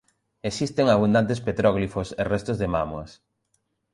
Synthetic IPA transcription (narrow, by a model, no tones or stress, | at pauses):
esist̪eŋaβund̪ant̪̬espet̪ɾɔɣlifoserɛst̪ozðema̰moɐs